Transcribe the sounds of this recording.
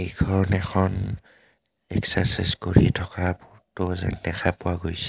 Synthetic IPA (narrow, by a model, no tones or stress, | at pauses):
ejkʰɔnɛxʰɔn | ɛksasɛskoɹḭtʰɔkabʊɹtʊzɛ̰ndɛxʰapʊwaɡojsɛ̥